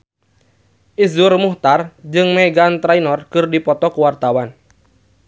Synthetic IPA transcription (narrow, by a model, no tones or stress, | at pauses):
ʔizʊrmuht̪ard͡ʒɨŋmɛɡant̪ɾainɔrkɨrdipɔt̪ɔkuwart̪awan